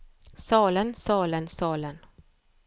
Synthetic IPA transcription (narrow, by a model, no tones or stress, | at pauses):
sɑːlənsɑːlənsɑːlən